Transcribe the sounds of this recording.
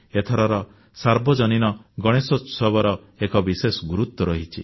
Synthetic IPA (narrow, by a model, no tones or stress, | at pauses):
et̪ʰɔɾɔɾɔ | saɾbɔd͡ʒɔninɔɡɔɽ̃esɔsɔbɔɾɔ | ekɔbisesɔɡuɾut̪ːɔɾɔɦit͡ʃʰi